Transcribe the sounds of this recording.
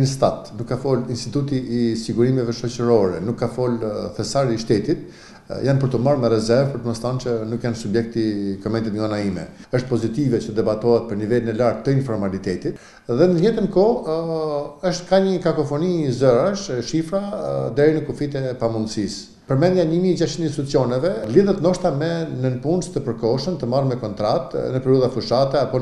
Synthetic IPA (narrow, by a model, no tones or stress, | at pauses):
nəst̪at̪nukːafɔlinst̪it̪ut̪iːsiɡuɾimɛvɛʃɔt͡ɕəɾɔɾɛnukːafɔlθɛsaɾiʃt̪ɛt̪it̪ | janpəɾt̪əmaɾmɛɾɛzɛɾvpəɾt̪əməst̪ant͡ɕənukjansubjɛk̚t̪ikɔmɛnt̪it̪ŋɡanaimɛ̰əʃt̪̚pɔzit̪ivɛt͡ʃət̪əd̪ɛbat̪ɔɛt̪̚pəɾnivɛlinɛlaɾt̪ːəinfɔɾmalit̪ɛt̪it̪ | ðɛnəjɛt̪ənkɔ | əʃt̪kaɲəkakɔfɔnizəɾaʃʃifɾad̪ɛɾinəkufit̪ɛpamund̪sis | pəɾmɛnd̪jaɲəmid͡ʑaʃininsit̪ut͡siɔnɛvɛliðət̪nɔʃt̪amɛnənpunst̪əpəɾkɔʃənt̪əmarmɛkɔnt̪ɾat̪nəpɛɾiuðafuʃat̪ɛapɔ